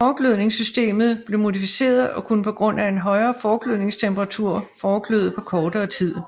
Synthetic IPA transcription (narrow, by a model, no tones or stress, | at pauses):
fɒːɡ̥løð̰ˠne̝ŋsysd̥e̝̰ːmð̞̩ˠb̥le̝mo̝difise̝̰ːɐðˠɒ̽kʰunəpʰɒ̽ɡ̥ʁɔ̽n̰æe̝nɦɒ̽ɪɐːfɒːɡ̥løðˠne̝ŋst͡sʰemb̥ɐʁɑ̈t͡sʰuɐ̰fɒːɡ̥ʰløð̩ˠpʰɒ̽kʰɒːd̥ɐːt͡sʰið̰ˠ